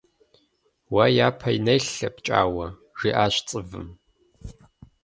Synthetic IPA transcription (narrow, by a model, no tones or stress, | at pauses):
wɐjaːpʰɐinɐjɬɐpt͡ʃʼa̰ːwɐ | ʒ̥iːʔaːɕʷt͡sʼɨvɨ̰m